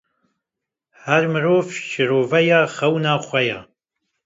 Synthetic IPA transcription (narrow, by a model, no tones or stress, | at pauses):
hæɾmɨɾoːvʃɪɾoːvɐjaχɐwnaːχʷɐja̰